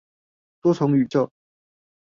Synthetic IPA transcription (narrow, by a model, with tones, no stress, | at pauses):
t̪wɔ˥t͡sʰʊ˧˥ŋy˨˩t͡ɕjɑ˥˩ʊ